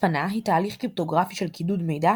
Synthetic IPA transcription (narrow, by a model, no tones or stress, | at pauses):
anaɦit̪aːliχkʁip̚to̞ɡʁafiʃelkidud̪me̞jda